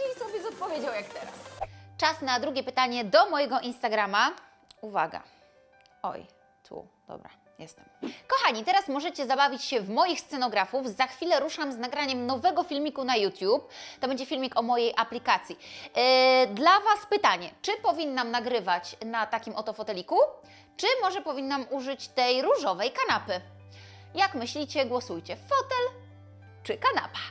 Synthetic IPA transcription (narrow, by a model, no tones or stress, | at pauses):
sɔbʲjɛzɔt̪̚pɔvʲjed͡ʑawjakt̪ɛɾa̰st͡ʂasnad̪ɾuɡʲɛpɘt̪aɲɛd̪ɔmɔjɛɡɔʔinst̪aɡɾama | uva̰ɡa̰ | ɔ̰j | t̪ʰṵ | d̪̥ɔ̰bɾa̰ | jɛst̪ɛmkɔxaɲit̪ɛɾasmɔʐɛt͡ɕɛzabavʲit͡ɕɕɛvmɔjixst̪sɛnɔɡɾafufzaxfʲilɛɾuʂamznaɡɾaɲɛmnɔvɛɡɔfʲilmʲikunajut̪ʲjup̚t̪ɔbɛɲd͡ʑɛfʲilmʲikɔmɔjejʔaplʲikat̪sʲji | d̪lavaspɘt̪aɲɛt͡ʂɘpɔvʲinːamnaɡɾɘvat͡ɕnat̪akʲimɔt̪ɔfɔt̪ɛlʲiku | t͡ʂɘmɔʐɛpɔvʲinːamuʐɘt͡ɕt̪ɛjɾuʐɔvɛjkanapɘ | jakmɘɕlʲit͡ɕɛɡwɔsujt͡ɕɛfɔt̪ɛl | t͡ʂɘkana̰pḁ